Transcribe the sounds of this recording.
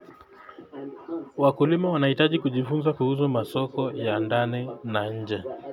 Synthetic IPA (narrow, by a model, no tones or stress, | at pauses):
wakulimawanahitaʄikuʄifunzakuhuzumasɔkɔjandaninaɲ̩d͡ʒɛ